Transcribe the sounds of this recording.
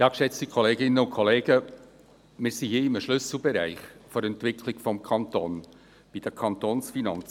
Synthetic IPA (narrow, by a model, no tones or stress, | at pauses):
jɑːkʃɛt͡stikʰɔleːɡɪnːəʊnkʰɔleːɡə | mɪːɾsihiːɪməʃlʏsl̩ˠbɛɾæ̰ɪχfɔɾɛntvɪkʰlɪɡ̥fɔmkʰɑnt̪oːn | b̥id̥̪əkʰɑnt̪oːnsfinɑnt͡sə